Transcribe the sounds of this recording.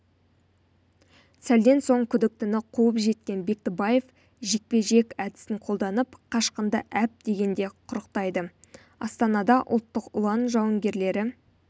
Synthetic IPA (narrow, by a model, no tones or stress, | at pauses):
sæld̪e̞nso̞ɴkʲʰʏd̪ɪk̚t̪ɪnɪqʰuwəpʒe̞t̪̚kʲe̞nbe̞k̚t̪ebɑje̞f | ʒek̚pe̞ʒe̞kʲæd̪ɪ̥sɪŋqʰo̞lˠd̪ɑnəpqʰɑʃqənd̪əʔæp̚d̪̥e̞ɡʲe̞nd̪e̞qʰʊɾəqt̪ɑjd̪ə | ɑ̰st̪ɑnɑd̪ɑʔʊ̰lˠt̪ːəqʊlˠɑnʒɑwəŋɡʲe̞ɾle̞ɾɪ